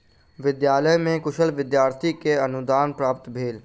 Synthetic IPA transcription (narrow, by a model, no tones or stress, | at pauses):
ʋɪd̪jaːləmẽkʊʃəlʋɪd̪jaːɾt̪ʰikeɐnʊd̪aːnpɾaːpt̪bʱeːl